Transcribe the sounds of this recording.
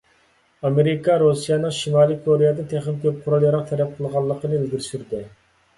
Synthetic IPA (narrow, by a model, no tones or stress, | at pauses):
ɑmeɾɪkʰɑɾosijɑnɨŋʃimɑːlˠɨkʰoɾejɛd̪ɨt̪ʰeχɪmkʲʰøp̚qʰʊɾɑlˠjɑɾɑq̚t̪ʰɛɾɛp̚qʰəlˠʁɑlˠːəqʰənɨelɡʲiɾsyɾd̪ɪ